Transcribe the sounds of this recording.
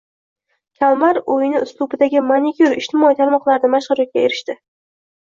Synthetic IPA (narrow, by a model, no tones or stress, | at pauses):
kʲʰalˠmaɾojɪnɪʊst̪ˠʊbɪd̪aɡʲɪmanikʲuɾɪʃt̪ʰɪmɒit̪ʰaɾmɒqlˠaɾɪnɪmaʃχʊɾɒt̪̚kʲaeɾɪʃt̪ɪ